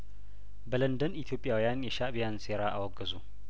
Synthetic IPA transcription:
bələnd̪ənit̪ʰijo̞pʼːjawijanjɛʃabijanse̞ɾaʔawɔɡːəzu

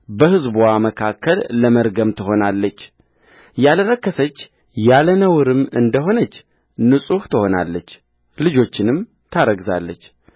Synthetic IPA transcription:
bəhɨzbuwaməkʰakʰːəlːəməɾɡəmt̪ʰɨɦo̞nalːət͡ʃː | jaləɾəkːəsət͡ʃː | jalənəwɨɾɨmɨnd̪əɦo̞nət͡ʃː | nɨsʼuht̪ʰɨho̞na̰lːət͡ʃː | lɨd͡ʒo̞t͡ʃːɪnɨm | t̪ʰaɾəɡza̰lːət͡ʃː

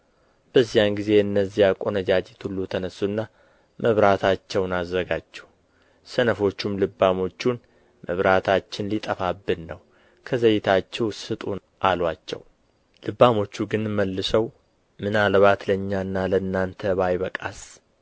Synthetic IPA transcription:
b̥əzːijanɡize̞ɨnːəzːijakʼo̞nəd͡ʒad͡ʒʼet̪ʰulːut̪ʰənəsːuɨnːa | mʔəβɾat̪ʰat͡ʃːɛwnazːəɡat͡ʃːɛ | sənəfo̞t͡ʃːumlɨbːamo̞t͡ʃːun | məβɾat̪ʰat͡ʃːɪnlit̪ʼəfabːɨnnəw | kʰəzəjɪt̪ʰat͡ʃːɛwsɨt̪ʼu | ʔalwat͡ʃːɛ̰w | lɨbːamo̞t͡ʃːuɡɨnməlːɨsəw | mɨnalβat̪ləɲːaɨnːalənːant̪ʰəβajβəkʼas

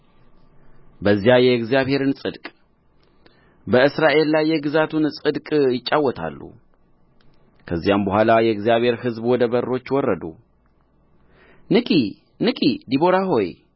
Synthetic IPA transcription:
bəzːijajɛɡzijaβhe̞ɾɨnsʼɨd̪kʼ | bəɨsɾaʔe̞lːajːɛɡɨzat̪ʰunsʼɨd̪kʼjɪt͡ʃʼːawːɔt̪ʰa̰lːṵ | kʰəzːijambəhʷalajɛɡzijaβhe̞ɾhɨzbwɔd̪əβərːo̞t͡ʃːwɔrːəd̪ṵ | nɨkʼi | nɨkʼid̪ibo̞ɾaɦo̞j

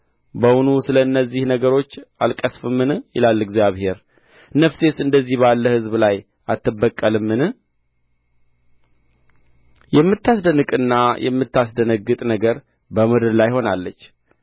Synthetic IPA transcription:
bəwunusɨləɨnːəzːihnəɡəɾo̞t͡ʃːalkʼəsfɨmːɨnjɪ̰lalːɨɡzijaβhe̞ɾ | nəfse̞sɨnd̪əzːihβalːəhɨzblaj | ʔat̪ːɨbːəkʼːəlɨmːɨn | jɛmːɨt̪ːasd̪ənɨkʼɨnːajʔɛ̰mːɨt̪ʰːasd̪ənəɡːɨt̪ʼnəɡəɾ | bəmud̪ɨɾlajho̞nalːət͡ʃː

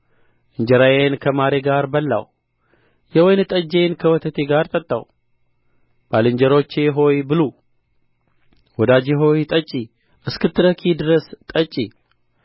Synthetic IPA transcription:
ʔɨɲd͡ʒɛɾajenkʰəmaɾeɡaɾbəlːa̰w | jɛwɔjnɨt̪ʼəd͡ʒenkʰəwɔt̪ʰət̪ʰeɡaɾt̪ʼət̪ʼːa̰w | b̥alɨɲd͡ʒəɾo̞t͡ʃːeɦo̞jbɨlo | wɔd̪ad͡ʒeɦo̞jt̪ʼət͡ʃʼːi | ʔɨskɨt̪ʰːɨɾəkʰid̪ɨɾəst̪ʼət͡ʃʼi

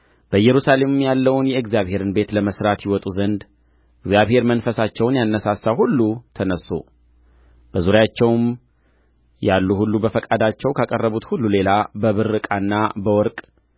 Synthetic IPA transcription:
b̥əjɛɾusale̞mɨmjalːəwnjɛɨɡzijaβhe̞ɾɨnbe̞t̪ləməsɾat̪jiwɔt̪ʼuzənd̪ | ɨɡzjaβhe̞ɾmənfəsat͡ʃːɛwnjanːəsasawhulːut̪ʰənəsːo̰ | b̥əzuɾjat͡ʃːɛwm | jalːuhulːubəfəkʼad̪at͡ʃːɛwkʰakʼərːəβut̪hulːule̞labəβɨrːɨkʼanːabəwɔɾkʼ

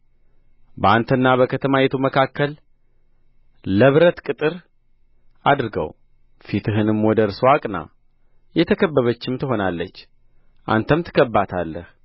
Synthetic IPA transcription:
bəant̪ʰənːaβəkʰət̪ʰəmajɛt̪ʰuməkʰakːəl | əβɾət̪kʼɨt̪ʼɨɾ | ad̪ɾɨɡə̰w | fit̪ʰɨɦɨnɨmwɔd̪əɾswakʼna̰ | jɛt̪ʰəkʰəbːəβət͡ʃːɪmt̪ʰɨɦo̞nalːət͡ʃː | ʔa̰nt̪ʰəmt̪ʰɨ̥kʰəbːat̪ʰalːəh

